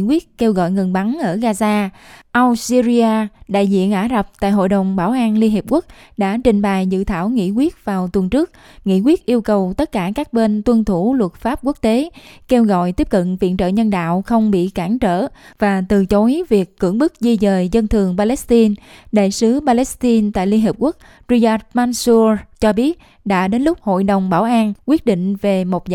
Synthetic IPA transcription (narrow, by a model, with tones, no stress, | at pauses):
kwi˦˥ət̚ke˧wɣɔ̰˧˨jŋə˨˩ŋɓa˨˦ŋʔəː˧˩ɣaː˧zaː˧ʔa˧wsi˧zi˧aː˧ɗa̰ː˧˨jzḭ˧˨ənʔaː˧˩za˨˩p̚t̪a̰ː˧˨jɦo̰˧˨jɗə˨˩wŋ͡mɓaː˧˩wʔaː˧nli˧ənɦi˨˩p̚ku˦˥k̚ɗa̰ː˧˥t͡ɕï˨˩ŋ̟ɓaː˨˩jzɨ̰˧˨t̪ʰaː˧˩wŋḭ˧˥kwi˦˥ət̚vaː˨˩wt̪wə˨˩ŋt͡ɕɨ˦˥ək̚ | ŋḭ˧˥kwi˦˥ət̚ʔi˧əwkə˨˩wt̪ə˦˥t̚kaː˧˩kaː˦˥k̚ɓe˧nt̪wə˧nt̪ʰu˧˩lwə˨˩t̚faː˦˥p̚ku˦˥ək̚t̪e˨˦ke˧wɣɔ̰˧˨jt̪i˦˥əp̚kə̰˧˨nvḭ˧˨nt͡ɕə̰ː˧˨ɲə˧nɗa̰ː˧˨wxə˧wŋ͡mɓḭ˧˨kaː˧˩ŋt͡ɕə̰ː˧˨vaː˨˩t̪ɨ˨˩t͡ɕo˨˦i˦vi˨˩əkːɨ̰˧˥əŋɓɨ˦˥k̚zi˧zəː˨˩jzə˧nt̪ʰɨ˨˩əŋpaː˧lɛ˦˥st̪i˧nɗa̰ː˧˨jsɨ˨˦ɓaː˧lɛ˦˥st̪i˧nt̪a̰ː˧˨li˧nɦiː˨˩p̚ku˦˥ək̚ | zi˧zaː˧˥t̚maː˧nsu˧t͡ɕɔ˧ɓi˦˥ət̚ | ɗa̰ː˧˥ɗe˨˦nlʊ˦˥k͡p̚ho̰˧˨jɗə˨˩wŋ͡mɓaː˧˩wʔaː˧nkwi˦˥ət̚ɗḭ˧˨ŋ̟ve˨˩mo˨˩t̚